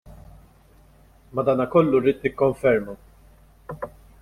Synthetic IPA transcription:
mɐd̪ɐːnɐkɔlːuɾiːt̪nɪkːɔɱfɛɾmu

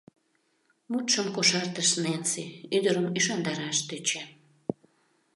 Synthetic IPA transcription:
mut̪ʃəmkoʃɑrt̪əʃnenseyd̪əɾəmyʃɑnd̪ɑɾɑʃt̪øt͡ɕæ

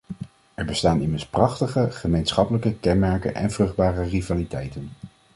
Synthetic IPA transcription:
ɛɹbəstaːnɪməɹsprɑχtəχəχəmejnsχɑpələkəkɛnmɛɹkə̰nʔɛ̰nvrɵχd̚baːrərivaːlitɛjtən

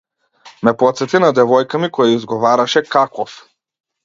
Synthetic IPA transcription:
mɛpɔt̪sɛt̪inad̪ɛvɔjkamikɔjaizɡɔvaɾaʃɛkakɔf

